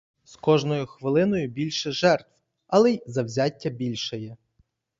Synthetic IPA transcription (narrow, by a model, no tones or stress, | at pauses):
skɔʒnɔjʊxʋɪlˠɪnɔjʊbʲilʲʃɛʒɛrt̪w | ɐlˠɛjzɐwzʲatʲːɐbʲilʲʃɔjɛ